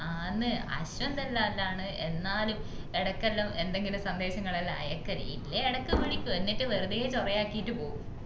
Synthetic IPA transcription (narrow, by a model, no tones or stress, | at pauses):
aːnːɨɐ̰ɕwɐnd̪ɐlːaːlːaːɳɨe̞nːaːlum | eɽɐkːɐlːɐme̞nd̪e̞ŋɡilumsɐnd̪e̞ːɕɐŋːɐɭɐlɐ̰jɐkːɐɾḭjḭlːɐeɽɐkːɨmɐɻikʲːuʋɐnːitːɨʋɐɾud̪ejet͡ɕorɐjaːkːijitːɨpo̞ːɣum